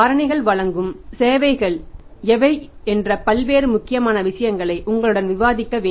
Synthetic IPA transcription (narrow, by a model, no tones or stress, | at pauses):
aːɾɐɳɐɪɣɐɭʋɐɭɐŋɡɯmseːʋɐɪɣɐɭɛʋɐɪɛndrɐpɐlʋeːɾɯmʊkːɪjɐmaːnɐʋɪʂɐjɐŋɡɐɭɐɪʔʊŋɡɐɭɯɽɐnʋɪʋaːðɪkːɐʋeː